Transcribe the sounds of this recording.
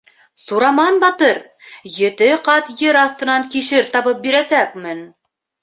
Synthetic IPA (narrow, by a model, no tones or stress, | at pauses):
suɾɑmɑnbɑt̪ɤɾ | jɘ̆t̪ɘqɑt̪jɘɾɑθt̪ɤ̆nɑŋkiʃɘɾt̪ɑβɤp̚biɾæsæk̚mɘn